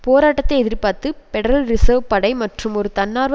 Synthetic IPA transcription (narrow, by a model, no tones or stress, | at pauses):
poːɾaːʈːɐt̪ːɐɪɛðɪɾpaːɾt̪ɯpɛɽɾɐlɾɪsɐʋpɐɽɐɪmɐʈrɯmɔɾɯt̪ɐnːaːɾʋ